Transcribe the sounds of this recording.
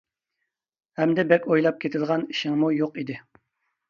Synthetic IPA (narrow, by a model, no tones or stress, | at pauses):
hɛmd̪ɛbɛkʲojlˠɑp̚kʲʰet̪ʰɪd̪ʁɑni̥ʃɪŋmujoqid̪ɪ